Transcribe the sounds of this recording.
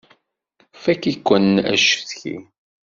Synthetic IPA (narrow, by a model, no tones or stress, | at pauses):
fækikʷːənæ̰ʃə̥θçḭ